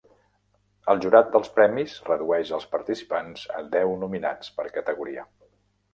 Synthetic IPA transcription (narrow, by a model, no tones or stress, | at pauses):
əlˠʒuɾat̪̚d̪əlˠspɾɛmizrəðuɛʃəlˠspəɾt̪isi̥panz̥ə̰d̪ɛwnumina̰t͡spəɾkət̪əɣuɾiə